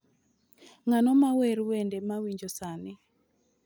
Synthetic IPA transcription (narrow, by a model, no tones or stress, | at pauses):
ŋanɔmaweɾwendemawiɲd͡ʒosanɪ